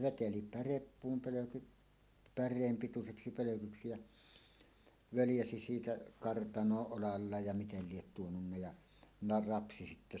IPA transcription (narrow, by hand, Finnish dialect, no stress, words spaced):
ʋeteli pærepːuːm pøløkyt pærˑeːm pituseksi pøløkyksi jæ ʋøljæsi siːtæ kɑrtɑnoːʔ ʔolɑlːɑːj jɑ mitel liet tuonunːɑ jɑ nɑ rɑpsi sitːæ